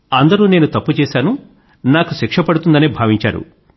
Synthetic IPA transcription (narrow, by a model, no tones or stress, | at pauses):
ɐnd̪ɐɾuːne̞ːnut̪ɐpːut͡ʃɛːʃaːnu | naːkuʃikʂɐpɐɽut̪und̪ɐnibʱaːʋiɲt͡ʃa̰ːɾṵ